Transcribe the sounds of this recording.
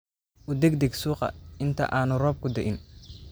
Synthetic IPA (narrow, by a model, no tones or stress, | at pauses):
ʔʊd̪ɛɡ̚d̪ɛɡsuːqɐ̰ɪnt̪ʰɐ̰ʔaːnʊrɔːb̚kʰʊd̪ɛʔɪn